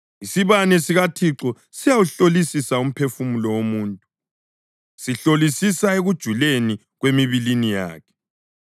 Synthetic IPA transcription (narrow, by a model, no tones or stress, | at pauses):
isiβanɛsiɣatʰiǁɔ | sijawuɬolisisaum̩pʰefumulɔwomuːntʼu | siɬolisisaeɣud̥ʒ̥ʱuleni | ɣwemiβilinija̰ːkʰɛ̥